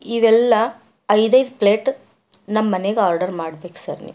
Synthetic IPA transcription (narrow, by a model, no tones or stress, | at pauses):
iʋɛlːɐː | jd̪ɐjd̪pleːʈ | nɐmːɐneɡeaːɾɖɐɾmaːɽbeːksɐ̰ɾnḭm